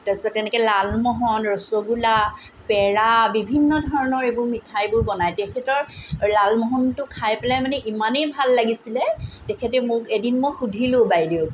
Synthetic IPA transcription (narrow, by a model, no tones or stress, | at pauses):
tasɔtːɛnɛkɛlalmɔɦɔnɹɔsoɡula | pɛɹabibʱinːɔdʱɔɹɔnɔɹebʊɹmitʰajbʊjbɔnajtɛkʰɛtɔɹlalmɔɦɔntʊkʰajpɛlajmanɛʔimanejbʱalːaɡisilɛtɛkʰɛtɛmʊkedinmoxudʱilʊ̃bajdiʊ